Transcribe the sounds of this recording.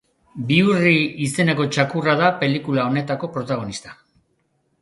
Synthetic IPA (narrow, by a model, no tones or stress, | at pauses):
biuriise̞ne̞ko̞t͡ʃakurað̞ape̞likulao̞ne̞t̪ako̞pɾo̞t̪aɣ̞o̞nist̪ḁ